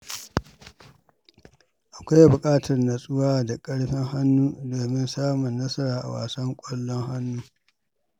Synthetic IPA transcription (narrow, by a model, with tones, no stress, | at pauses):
ʔa˨kʷa˦jbʊ˨kʼaː˦tʰɐ˨rna˨sʼʊ˦waː˦da˨kʼɐ˦ɽɸɪ˦ŋha˦nːuː˦doː˨mɪ˦nsaː˦mʊ˨nːɐ˦sɐ˦ɾaː˨ʔa̰˨wa̰ː˨sɐ˦ŋkʷʼɔ˦lːɔ˦ŋha˦nːuː˦